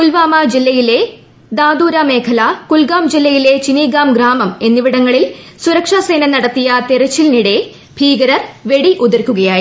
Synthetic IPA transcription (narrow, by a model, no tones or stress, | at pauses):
kulʋaːmad͡ʑilːɐjile̞ | d̪aːd̪uːɾame̞ːkʰɐlɐkulɡaːmd͡ʑilːɐjile̞t͡ɕiniːɡaːmɡɾaːmɐme̞nːiʋiɽɐŋːɐɭil | suɾɐkʂaːse̞ːnɐnɐɽɐt̪ːijɐt̪eɾɐt͡ɕːilniɽe̞ | bʱiːɡɐɾɐrʋe̞ɽiʔuðɐrkʲːuɣɐjaːji